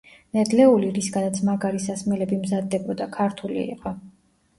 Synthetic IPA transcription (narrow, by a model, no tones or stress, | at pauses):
nɛd̪lɛuliɾisɡanat̪sʰmaɡaɾisasmɛlɛbimzad̪ːɛbɔd̪akʰaɾt̪ʰulḭḭqʼɔ